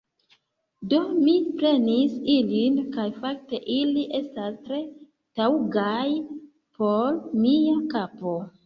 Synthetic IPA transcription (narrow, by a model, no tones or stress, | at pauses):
do̞mipɾe̞nisilinkajfak̚te̞ʔiliʔe̞stastɾe̞ | tauɡaj | pʰo̞ɾmiakapo̞